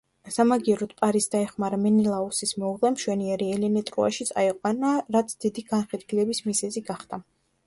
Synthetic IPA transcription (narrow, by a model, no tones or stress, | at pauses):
samaɡiɛɾɔt̪pʼaɾisd̪aɛχmaɾamɛnilˠausismɔuʁlɛmʃwɛniɛɾiɛlɛnɛt̪ʼɾua̰ʃit̪sʼaɛqʼwanaɾat̪sʰd̪̥id̪iɡanχɛd̪ɡilɛbismizɛziɡaχd̪̥ʰa